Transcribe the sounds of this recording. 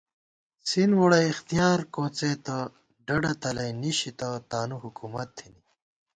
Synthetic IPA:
sinwoɽɐixt̪ijaːɾkoːt͡set̪ɐ | ɖɐɖɐt̪ɐlɐjniɕit̪ɐt̪aːnuɦukumɐt̪ʰːini

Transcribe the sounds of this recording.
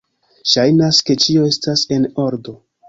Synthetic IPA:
ʃajnaske̞t͡ʃio̞e̞stase̞no̞ɾdo̞

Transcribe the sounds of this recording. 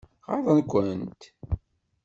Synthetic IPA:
ʁɑ̰ɾðˤənkʷːənt̪

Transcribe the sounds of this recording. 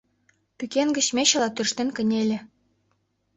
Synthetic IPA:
pykʲenɡə̆ɕmʲeɕɤ̆lˠɑt̪yrʃt̪ɘ̆nʲkɘ̆nʲelʲɘ̆

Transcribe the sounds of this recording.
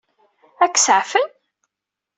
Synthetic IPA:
ækːsʕfən

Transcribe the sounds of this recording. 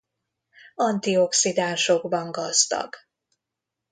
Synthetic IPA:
ɒnt̪io̞ksid̪aːnʃo̞ɡbɒŋɡɒzd̪ɒ̰ɡ̥

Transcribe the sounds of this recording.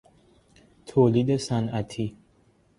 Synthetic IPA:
t̪ʰoːlid̪esænæt̪ʰi

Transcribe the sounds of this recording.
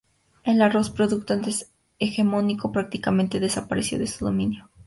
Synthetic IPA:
elaro̞spɾo̞ðuk̚t̪oant̪es | exe̞mo̞niko̞pɾak̚t̪ikamẽnt̪eðe̞sapaɾesjo̞̰ðesuðo̞mĩnjo

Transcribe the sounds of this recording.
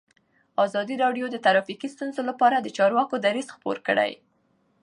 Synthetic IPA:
ɑzɑd̪iɾɑɖjod̪ət̪aɾɑfikist̪unzolapɑɾad̪ət͡ʃɑɾwɑkod̪aɾizxpo̰ɾkə̰ɽa̰j

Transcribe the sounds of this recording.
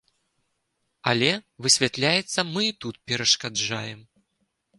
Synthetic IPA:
ɐlʲɛvɨsʲvʲat̪lʲajɛt̪sːɐmɨit̪ut̪pʲɛɾɐʂkad͡ʐajɛm

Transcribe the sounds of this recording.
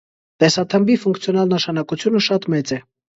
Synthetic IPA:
t̪ɛsɑt̪ʰəmbifuŋkt͡sʰjɔnɑlnəʃɑnɑkut͡sʰjunəʃɑt̪mɛt͡sɛ

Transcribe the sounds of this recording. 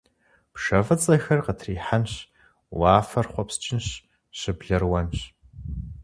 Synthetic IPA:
pʂɐvɐt͡sʼɐxɐrqətʰriːħanɕ | waːfɐrχʷɔpst͡ʃʼɪnɕ | ɕɪbɮɐrwɐnɕ

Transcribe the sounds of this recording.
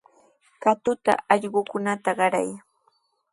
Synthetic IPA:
kat̪ʊt̪a̰ɑʎɢʊkʊnat̪aɢɑɾa̰j

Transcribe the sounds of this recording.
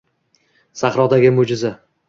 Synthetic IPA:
saχɾɒd̪aɡʲɪmʊd͡ʒɪza

